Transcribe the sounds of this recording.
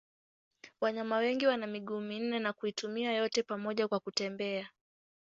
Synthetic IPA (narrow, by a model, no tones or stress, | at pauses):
waɲamawɛŋɡiwanamiɠuːmin̩nɛnakuitumiajɔtɛpamɔʄakwakutɛmbɛa